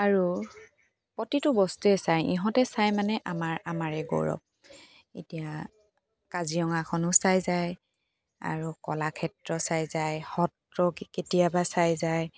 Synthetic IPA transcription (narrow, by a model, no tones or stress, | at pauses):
aɹu | pɔtitʊbɔstuɛsajḭɦɔ̃tɛsajmanɛʔamaɹamaɹɛɡo̰ɹɔ̰p̚ | ḛtija | kaziɔŋakʰɔnʊsajzaj | a̰ɹukɔlakʰɛtɹɔsajzajhɔt | ɹɔkketijabasajzaj